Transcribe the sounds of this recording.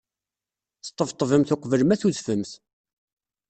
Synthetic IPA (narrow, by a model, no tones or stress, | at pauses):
θt̪ˤːəvt̪ˤːvəmθʊqvələmæθuðfəmθ